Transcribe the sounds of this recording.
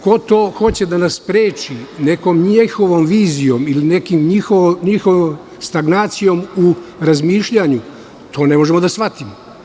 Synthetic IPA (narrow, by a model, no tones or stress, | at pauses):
ko̞t̪oːxo̞t͡ɕed̪anasspɾeːt͡ʃine̞ko̞mɲexoʋomʋiːzijo̞miline̞kimɲixoʋoɲixoʋom | st̪aɡnaːt̪sijo̞muɾazmiːʃʎaɲu | t̪ʰo̞ːne̞moʒemod̪asʋat̪imo